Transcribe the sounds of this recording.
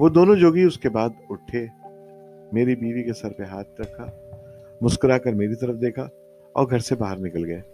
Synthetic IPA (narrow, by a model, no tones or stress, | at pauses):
ʋoːd̪oːnõd͡ʒoːɡiʊskebaːd̪ʊʈʰe | meːɾibiːʋikesɐɾpeɦaːt̪ɾɐkʰa | mʊskəɾakɐɾmeːɾit̪ɐɾəfd̪eːkʰa | ɔ̰ːɾɡʱɐɾsebaːɦəɾnɪkəlɡɐeː